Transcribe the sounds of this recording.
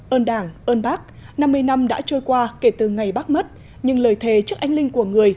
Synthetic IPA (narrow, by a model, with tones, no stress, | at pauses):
ʔəː˧nɗaː˧˩ŋʔəː˧nɓaː˦˥k̚ | na˧mːɨ˧əjna˧mɗa̰ː˧˥t͡ɕo˧jkwaː˧ke˧˩t̪ɨ˨˩ŋa˨˩jɓaː˦˥k̚mə˦˥t̚ | ɲɨ˧ŋləː˨˩jt̪ʰe˨˩t͡ɕɨ˦˥əkʔa˧jŋlï˧ŋ̟ku˧˩əŋɨ˨˩əj